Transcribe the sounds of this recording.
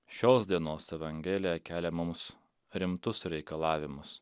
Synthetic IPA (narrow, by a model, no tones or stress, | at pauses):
ʃʲoːsd̪ʲiɛnoːsɛʋɐŋʲɡʲɛlʲɪjɛkʲæːlʲɛmʊms | ɾʲɪmt̪ʊsɾʲɛɪkɐlˠɑːʋʲɪmʊs